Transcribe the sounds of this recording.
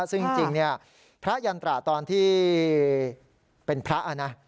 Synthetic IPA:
sɯ˥˩ŋ˧˩t͡ɕi˧ŋni˥˩ɐ | pʰɾa˦˥ja˧nt̪ɾa˨˩t̪ɔː˧nt̪ʰiː˥˩ | pe˧npʰɾa˦˥ʔa˨˩na˦˥

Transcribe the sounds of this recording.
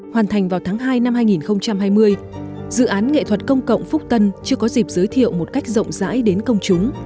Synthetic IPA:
hwaː˨˩nt̪ʰa˨˩jŋ̟vaː˨˩wt̪ʰaː˨˦ŋɦaː˧jna˧mhaː˧jŋi˨˩nxə˧wŋ͡mt͡ɕa˧mhaː˧jmɨ˧əj | zɨ̰˧˨ʔaː˨˦nŋḛ˧˨t̪ʰwə˨˩t̚kə˧wŋ͡mkə̰˧˨wŋ͡mfʊ˦˥k͡p̚t̪ə˧nt͡ɕɨ˧əkɔ˨˦zi˨˩p̚z̥əː˨˦jt̪ʰḭ˧˨əwmo˨˩t̚ka˦˥jk̟̚zə̰˧˨wŋ͡mza̰ː˧˥jɗe˨˦nkə˧wŋ͡mt͡ɕʊ˨˦ŋ͡m

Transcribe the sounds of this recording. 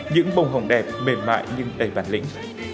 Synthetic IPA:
ɲɨ̰˧˥ŋɓə˨˧˩wŋ͡mɦə˨˩wŋ͡mɗɛ˨˩p̚me˨˩nma̰ː˧˨jɲɨ˧ŋɗə˨˩jvaː˧˩nlḭ˧˥ŋ̟

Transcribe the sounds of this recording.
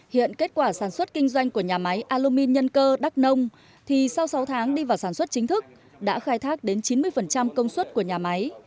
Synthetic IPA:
hḭ˧˨ənke˦˥t̚kwaː˧˩saː˧˩nswə˦˥t̚kï˧ŋ̟zwa˧jŋ̟ku˧˩əɲaː˨˩ma˨˦jʔaː˧lo˧mi˧nɲə˧nkəː˧ɗa˦˥k̚nə˧wŋ͡m | t̪ʰi˨˩sa˧wsa˨˦wt̪ʰaː˨˦ŋɗi˧vaː˨˩wsaː˧˩nswə˦˥t̚t͡ɕï˨˦ŋ̟t̪ʰɨ˦˥k̚ | ɗa̰ː˧˥xaː˧jt̪ʰaː˦˥k̚ɗe˨˦nt͡ɕi˨˦nmɨ˧əjfə˨˩nt͡ɕa˧mkə˧wŋ͡mswə˦˥t̚ku˧˩əɲaː˨˩ma˨˦j

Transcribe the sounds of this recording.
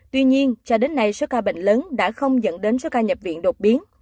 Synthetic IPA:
t̪wi˧ɲi˧ənt͡ɕɔ˧ɗe˨˦nːa˧jso˨˦˥kaː˧ɓḛ˧˨ŋ̟ləː˨˦nɗa̰ː˧˥xə˧wŋ͡mzə̰˧˥nɗe˨˦nso˨˦kaː˧ɲə˨˩p̚vḭ˧˨nɗo˨˩t̚ɓi˨˦ən

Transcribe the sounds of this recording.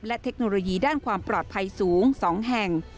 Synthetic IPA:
lɛ˦˥t̪ʰe˦˥k̚noː˧loː˧jiː˧daː˥˩nkʰwaː˧mpɾɔː˨˩t̪̚pʰa˧jsuː˩˦ŋsɔː˩˦ŋɦɛ˨˩ŋ

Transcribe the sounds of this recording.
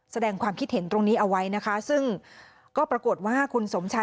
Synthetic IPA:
sa˧dɛː˧ŋkʰwaː˧mkʰi˦˥t̪̚he˩˦nt̪ɾo˧ŋniː˦˥ʔa˧wa˦˥jna˦˥kʰa˦˥sɯ˥˩ŋ | kɔː˥˩pɾa˧ku˨˩ət̪̚waː˥˩kʰu˧nso˩˦mt͡ɕʰa˧˥

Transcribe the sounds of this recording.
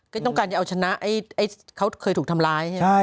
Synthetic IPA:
kaː˥˩t̪ɔ˥˩ŋkaː˧nt͡ɕa˨˩ʔa˧t͡ɕʰa˧na˦˥ʔa˥˩jʔa˧˥˩kʰa˦˥wkʰɤː˧t̪ʰu˨˩kt̪ʰa˧mlaː˧jʰa˥˩

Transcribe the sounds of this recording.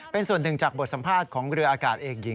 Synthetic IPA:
pe˧nsu˨˩ənːɯ˨˩ŋt͡ɕaː˨˩bo˨˩t̪̚sa˩˦mpʰaː˥˩t̪̚kʰɔː˩˦ŋɾɯ˧əʔaː˧kaː˨˩t̪̚ʔeː˨˩k̚ji˨˩˦

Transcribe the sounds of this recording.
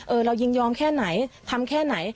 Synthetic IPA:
ʔɤː˧ɾa˧wji˧˩ŋjɔː˧mkʰɛː˥˩na˩˦jt̪ʰa˧mkʰɛː˥˩na˩˦j

